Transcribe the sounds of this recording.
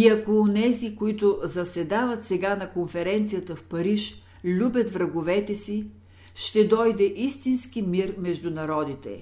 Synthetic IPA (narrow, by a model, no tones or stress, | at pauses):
iɐkoːnɛzikoit̪ʊzɐsɛd̪avət̪sɛɡanɐkonfɛɾɛnt̪sijət̪əfpɐɾiʃ | lʲubʲət̪vɾɐɡʊvɛt̪ɛsi | ʃt̪ɛd̪ɔjd̪ɛʔist̪inskimiɾmɛʒd̪ʊnɐɾɔd̪it̪ɛ̰